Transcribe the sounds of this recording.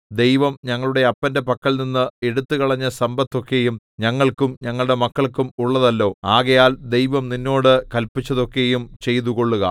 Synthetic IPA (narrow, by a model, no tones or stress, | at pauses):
d̪e̞jʋɐmɲɐŋːɐɭuɽe̞ɐpːɐnde̞pɐkːɐɭninːɨeɽut̪ːɨkɐɭɐɲːɐsɐmbɐt̪ːo̞kːe̞jum | ɲɐŋːɐɭkumɲɐŋːɐɭuɽe̞mɐkːɐɭkumuɭːɐðɐlːo̞ːaːɣɐjaːld̪e̞jʋɐmninːo̞ːɽɨkɐlpit͡ɕːɐðo̞kːe̞jumt͡ɕe̞jt̪uko̞ɭːuɣɐ